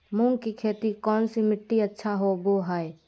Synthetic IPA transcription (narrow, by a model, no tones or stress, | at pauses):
mũːŋkikʰeːt̪ikɔːnsimɪʈːiɐtːʃʰaɦoboːɦaːe